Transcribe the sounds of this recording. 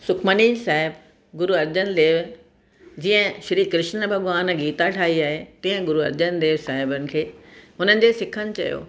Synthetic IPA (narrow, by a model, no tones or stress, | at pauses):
sʊkʰmənisaːɦɪb | ɡʊɾuɐɾd͡ʑənd̪eːʋ | d͡ʑiə̃ʃɐɾiːkɾɪʃnəbʱɐɠʋaːnɡiːt̪aʈʰaːɦiaːɦet̪ĩːə̃ɡʊɾuɐ̰ɾd͡ʑənd̪eːʋsaːɦɪbənɪ̆kʰeːɦʊnənɪ̆d͡ʑesɪkʰənɪ̆t͡ɕɐ̰jo̰ː